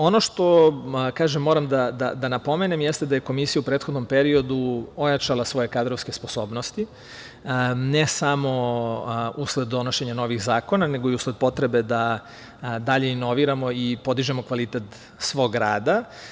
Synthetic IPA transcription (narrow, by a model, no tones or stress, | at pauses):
o̞noʃt̪o̞kaːʒemːo̞ːɾamd̪ad̪a̰d̪anapo̞me̞nemjɛst̪ed̪ajeko̞misijaupɾeːt̪xod̪no̞mpe̞ɾio̞d̪uo̞jat͡ʃalˠasʋo̞je̞kad̪ɾoʋske̞spo̞so̞ːbnost̪i | nesamo̞ | usled̪d̪o̞no̞ʃe̞ɲano̞ʋixzaːko̞naneɡo̞iusled̪̚po̞t̪ɾe̞be̞d̪a | d̪aʎe̞ino̞ʋiɾamo̞ipo̞d̪iʒemo̞kʋalit̪et̪ | sʋo̞ɡɾaːd̪a